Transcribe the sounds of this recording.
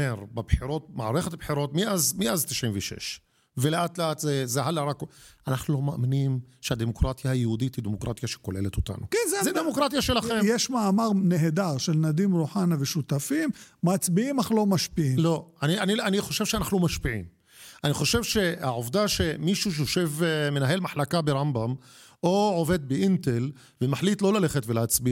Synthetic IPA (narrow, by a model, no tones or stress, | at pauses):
eɾbebħiɾo̞t̪̚ma̰ʕɾeχet̪abħiɾo̞t̪miʔazmiʔazt̪i̥ʃʕimveʃḛʃ | veleʔat̪leat̪zezeɦalaɾakanaχnulo̞maaminimʃehad̪emokɾat̪jahajehud̪it̪hid̪emokɾa̰t̪jaʃe̥kolelet̪ot̪a̰nukenzzed̪emokɾat̪jaʃelaχemjeʃmaamaʁneɦed̪aʁʃelnad̪imɾuħanaveʃut̪afimmat͡sbiimaχlo̞maʃpiimlo̞anianianiχo̞ʃe̞vʃeanaχnumaʃpiʕḭm | ʔaniχo̞ʃe̞vʃe̞haʕovd̪aʃe̞miʃuʃejoʃe̞vme̞naɦe̞lmaħlakabeʁambam | oʕove̞d̪̚beʔint̪e̞l | vemaħlit̪lo̞lale̞χet̪veleat͡sbia